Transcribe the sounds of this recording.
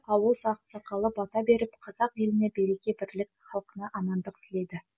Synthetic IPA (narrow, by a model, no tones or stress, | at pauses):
ɑlˠwosɑq̪sɑqɑlˠəbɑt̪ɑbe̞ɾɪpqʰɑzɑqje̞lɪnebejɾe̞kʲe̞bɪɾlɪkχɑlˠqənɑʔɑmɑnd̪əqɪ̥t̪le̞d̪ɪ